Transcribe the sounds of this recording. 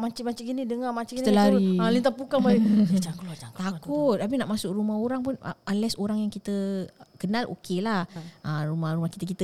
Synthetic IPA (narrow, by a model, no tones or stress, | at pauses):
mat͡ʃimat͡ʃiʔɡinidəŋamat͡ʃiʔɡint̪laɾialint̪apukaŋbaid͡ʒakt̪akut̪̚ːap̬inaʔmasʊk̚rumaɦoɾaŋpʊnə̰anlɛsoɾaŋjaŋkit̪əkənãlʔo̰kelahərumahɾumahki̥t̪əkit̪ə